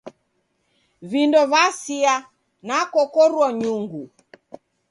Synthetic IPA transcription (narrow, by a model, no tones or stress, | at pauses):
vindɔvasia | nakɔkɔɾwɔɲuŋɡu